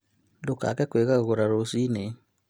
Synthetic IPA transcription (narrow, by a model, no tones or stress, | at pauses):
doka̰kɛkweɣaɣoɾaɾosine